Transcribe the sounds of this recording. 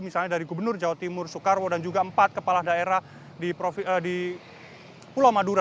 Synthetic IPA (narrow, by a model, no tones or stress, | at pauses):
misalɲadaɾiɡubərnʊrd͡ʒawat̪imʊrsukarwodand͡ʒuɡaəmpat̪̚kəpalahdaeɾah | dipɾofədi | pulawmaduɾa